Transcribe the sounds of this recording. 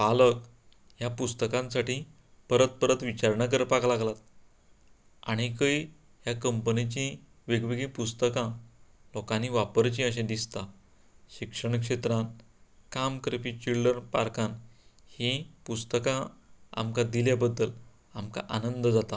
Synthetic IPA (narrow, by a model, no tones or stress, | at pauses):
palək | ɦjapust̪əkãnsaʈĩ | pəɾət̪̚pəɾət̪ʋit͡ɕaɾɳak̬əɾpaklaɡlat̪ | aɽ̃ikəi | ɦjakəmpənit͡ɕĩ | ʋeɡʋiɡiːpust̪əkãlɔkaniʋapəɾt͡ɕĩəɕẽd̪ist̪a | ɕikʂəɳkʂet̪ɾãn | kamkɾepit͡ɕilɖəɾpa̰ɾkanhĩpust̪əkãa̰mkad̪iljabəd̪ːəl | amka̰ʔanənd̪d͡zat̪a